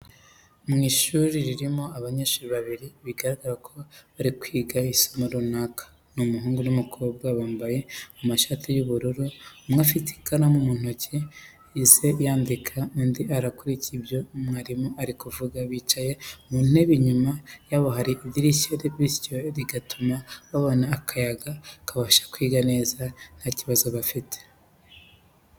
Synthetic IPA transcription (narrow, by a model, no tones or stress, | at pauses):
mŋiʃuɾiɾiɾimo̞aβaɲeːʃuːɾiβaβiɾiβiɡaɾaɡaɾakʰo̞βaɾikwiːɡaisomuɾunakʰḁ | numuɦuːŋɡunumukob̚ɡaβaːmbaje̞umaʃatʰijuβuɾuɾumŋafiti̥kʰanamumun̥oce | ise̞jaːndikʰaundiaɾakuɾiciibjo̞mŋaːɾimoʔaɾikuvuɡaβiːt͡ʃaje̞mun̥heβiɲumajaβoɦaɾiʔːdiɾiʃeɾeβiscoɾiɡatʰumaβaβo̞naːkʰajaɡakaβaʃḁkwiːɡane̞ːzanaciβazoβafitʰe̥